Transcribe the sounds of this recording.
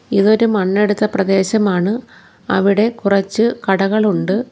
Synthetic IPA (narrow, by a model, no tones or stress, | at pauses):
iðo̞ɾumɐnːe̞ɽut̪ːɐprɐd̪e̞ːɕɐmaːɳɨ | ɐ̰ʋiɽe̞kurɐt͡ɕːɨkɐɽɐɣɐɭuɳɖɨ